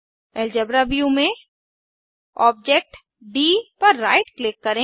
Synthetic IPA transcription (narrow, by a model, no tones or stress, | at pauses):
ɛld͡ʒɐbɾaʋjumẽ | ɔːb̚d͡ʒeːk̚ʈ | ɖiːpɐɾːa̰ːɪʈklɪkːɐɾẽ